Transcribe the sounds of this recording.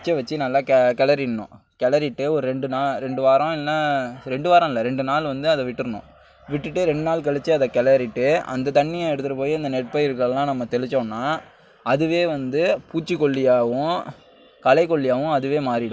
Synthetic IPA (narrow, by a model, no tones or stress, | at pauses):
t͡ʃːɐʋɐt͡ʃːɯnɐlːaːkɛkɛɭɐɾinːʊ̰̃ | kɛɭɐɾɪʈːɯɔɾɯɾɛɳɖɯnaːlɾɛɳɖɯʋaːɾɐ̃ɪlːɐɾɛɳɖɯʋaːɾɐ̃ɪlːɐɾɛɳɖɯnaːlʋɐnd̪ɯɐðɛʋɪʈːɯɾɯnʊ̰̃ | ʋɪʈːɯʈːɯɾɛɳɖɯnaːlkɛɭɪt͡ʃːɯɐðɐkɛɭɐɾɪʈːɯɐ̰nd̪ɐt̪ɐɳːɪjɐ̃ɛɽɯt̪ːɯɾɐpoːjiɐnd̪ɐnɛʈ̚pɐɪɾkɐɭlːãːnɐmːɐt̪ɛɭɪt͡ʃːõːnːaː | ɐðɯʋeːʋɐnd̪ɯpuːt͡ʃːɯkːɔɭːɪjaːʋʊ̃ | kɐlɐɪkːɔɭːɪjaːʋʊ̃ɐðɯʋeːmaːɾɪɽʊ̃